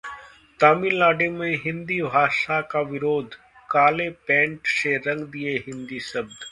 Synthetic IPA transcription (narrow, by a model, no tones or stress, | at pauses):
t̪aːmilaːɖeːmẽɦɪ̃nd̪iːbʱaːʃakaːʋɪɾoːd̪ʱ | kaːleːpɛ̃ːɳʈseɾə̃ŋɡd̪ieɦɪ̃nd̪iːsəb̚d̪